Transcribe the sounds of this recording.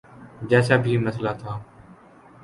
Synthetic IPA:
d͡ʒɛːsaːbʱiːməslaːt̪ʰaː

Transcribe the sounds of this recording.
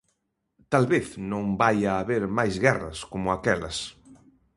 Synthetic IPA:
t̪alβeθnõŋbajaːβeɾmajzɣɛrɐskomʊakɛlɐ̰s

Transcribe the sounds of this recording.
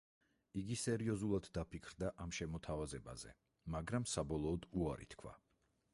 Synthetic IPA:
iɡisɛɾiɔzulˠad̪ːapʰikʰɾd̪aʔamʃɛmɔt̪ʰavazɛba̰zɛ̰ | maɡɾamsabɔlˠɔːd̪uaɾḭt̪ʰkʰwa̰

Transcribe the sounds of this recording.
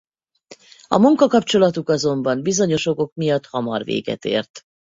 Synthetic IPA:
ɒmuŋkɒkɒpt͡ʃo̞lɒt̪ukɒzo̞mbɒmbizo̞ɲo̞ʃoɡo̞kmijɒt̪hɒmɒ̰rvḛːɡɛ̰t̪ḛːrt̪

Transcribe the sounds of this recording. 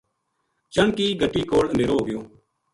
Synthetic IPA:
t͡ʃəɳkiːɡʱəʈiːkoːləneːɾoːɡɪjoː

